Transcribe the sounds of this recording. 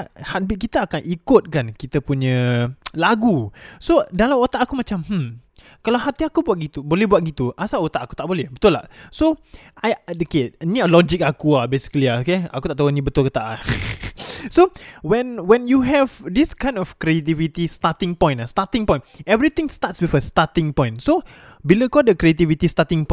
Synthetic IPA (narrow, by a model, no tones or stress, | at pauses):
ahat̪̚biʔ̚kit̪aakanʔikʊt̪̚kankit̪əpuɲəlaɡusodalamot̪aʔakumat͡ʃamhm̩ | kalawɦat̪iakubuat̪̚ɡit̪ubolɛhbuat̪̚ɡit̪uʔasaʔot̪aʔaku̥t̪aʔbolɛhbət̪ʊlːa̰ʔso | ʔajkeniəlɔd͡ʒikakuabesi̥kəliaokea̰kut̪aʔt̪aonĩbət̪ʊlkət̪aʔa | sowɛ̃nwɛ̃njuɦɛvdiskãj̃ndɔfkɾiet̪̬ivit̪ist̪at̪ĩŋpɔ̃jnast̪at̪ĩŋpɔ̃j̃nɛvɾit̪ɪ̃ŋst̪atswifəst̪at̪ɪ̃ŋpɔ̃j̃nso | biləkɔdəkɾiet̪ivit̪ist̪at̪ɪ̃ŋpɔ